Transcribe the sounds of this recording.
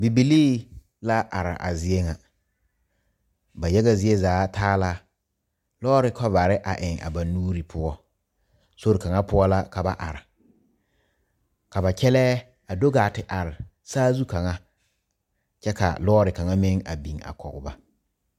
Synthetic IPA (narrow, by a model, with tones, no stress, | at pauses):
bi˨bi˨liː˦ | la˦ʔa̰˨ɾɪ̰˨ʔa̰˨zɪ˦ɛ˦ŋa˨ | ba˨jɛ˦ɣa˦zɪ˦ɛ˦zaː˨˦tʰaː˦la˦ | lɔː˦ɾɪ˦kʰɔ˦va˨ɾɪ˦ʔa̰˨ʔɪ˨ŋa̰˨ba˨nuː˦ɾi˨pʰʊ˦ɔ˦ | so˦ɾɪ˨ka˨ŋa˦pʊ˦ɔ˦la˦ka˨ba̰˨ʔa̰˨ɾɪ˨ | ka˨ba˨kɛ˦lɛ˦ | a˨do˦ɡaː˨tɪ˨ʔa˨ɾɪ˨ | saː˦zu˦ka˨ŋa˦ | t͡ʃɛ˦ka̰˨lɔː˦ɾɪ˨ka˨ŋa˦mɪ˦ŋa̰˨bi˨ŋa̰˨kɔ̰˨ɡʊ˨ba˦